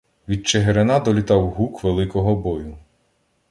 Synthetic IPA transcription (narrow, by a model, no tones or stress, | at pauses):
ʋʲid̪̚t͡ʃeɦeɾenɑd̪ɔlʲit̪ɑwɦukʋelˠɪkɔɦɔbɔjʊ